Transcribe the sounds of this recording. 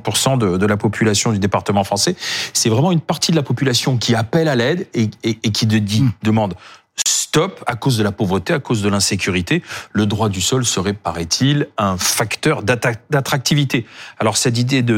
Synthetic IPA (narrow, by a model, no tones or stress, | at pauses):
puʁsɑ̃d̪əd̪əlapɔpʰylasjɔ̃d̪yd̪epaʁt̪əmɑ̃fχɑ̃sɛsɛvʁɛmɑ̃ynpaʁt̪id̪əlapɔpylasjɔ̃kʲiapɛlalɛd̪eeːkʲid̪əd̪id̪əmɑ̃d̪ | st̪ɔpakozd̪əlapovʁət̪eakozd̪əlɛ̃sekʲyʁit̪eləd̪ʁwad̪ysɔlsəʁɛpaʁɛt̪ʰilɛ̃fakt̪œʁd̪ad̪at̪χak̚t̪ivit̪ealɔʁsɛt̪̬id̪ed̪ə